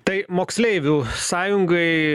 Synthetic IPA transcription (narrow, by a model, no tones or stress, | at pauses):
t̪ɐɪmoːksʲlʲɛɪʋʲuːsɑːjʊŋɡɐɪ